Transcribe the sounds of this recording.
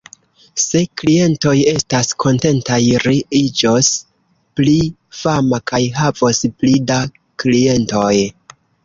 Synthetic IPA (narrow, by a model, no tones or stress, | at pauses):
se̞klie̞nto̞je̞staskʰo̞nte̞ntajɾiid͡ʒos | pli | famakajɦavosplida | klie̞nto̞j